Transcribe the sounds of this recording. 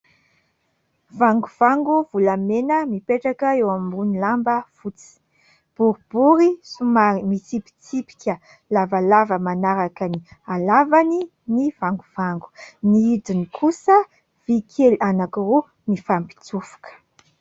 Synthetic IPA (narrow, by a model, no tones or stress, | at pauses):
vaŋɡuv̥aŋɡuvulamenəmipeʈ͡ʂakəewamiunilambəfut͡si̥ | b̥uɾb̥uɾisumaɾimit͡sipi̥t͡sipi̥kʲə | lavalavəmanaɾakənialavani | niv̥aŋɡuv̥aŋɡu̥niid̪inikʰusə | v̥ikʰelanakiru | mifampi̥t͡sufu̥kə̥